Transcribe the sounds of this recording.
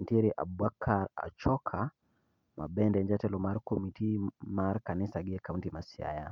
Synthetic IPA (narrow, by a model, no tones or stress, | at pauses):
ntiɾiʔa̰bakʰːaɾa̰t͡ʃɔkʰa | mʔabɛndɛɲd͡ʒatɛlɔmaɾkɔmitimaɾkanisaɡiɛkawuntimasia̰ja̰